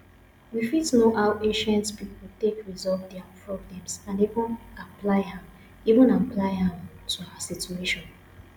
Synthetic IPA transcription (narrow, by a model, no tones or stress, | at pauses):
wifitnoʔaʊẽʃɛ̃ntspipɔltekɹizɔlvdɛapʰɹɔblɛ̃msãnivɔ̃naplaɪhã | ivə̃naplaɪhãmtʰuawasitueʃɔ̃n